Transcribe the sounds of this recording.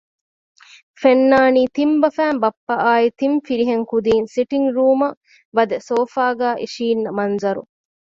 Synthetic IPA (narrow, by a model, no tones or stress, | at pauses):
fenːaːniːt̪imbɐfæːmbɐpːɐʔaːit̪imfiɾiɦeŋkud̪iːnsiʈiŋɡɾuːmɐ | ʋɐd̪ɐsoːfaːɡæːʔiʃiːnːɐmɐnzɐɾṵ